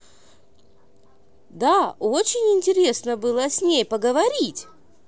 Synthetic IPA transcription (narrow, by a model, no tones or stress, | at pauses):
d̪aot͡ɕɪnʲɪnʲtʲɪɾʲe̞snəbɨlˠəsʲnʲejpəɡəvɐɾʲitʲ